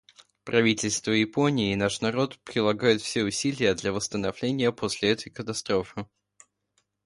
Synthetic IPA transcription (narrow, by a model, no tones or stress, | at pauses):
pɾʔɐvʲitʲɪlʲst̪vəjɪpo̞nʲɪːnaʂnɐɾo̞t̪pɾʲɪlˠɐɡajʊt̪fsʲeʊsʲilʲɪjəd̪lʲɐvəst̪ənɐvlʲenʲɪjəpʰosʲlʲɪɛt̪ə̥jkət̪ɐst̪ɾo̞fɨ